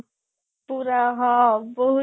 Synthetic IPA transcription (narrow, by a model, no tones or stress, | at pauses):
puɾaɦɔboɦu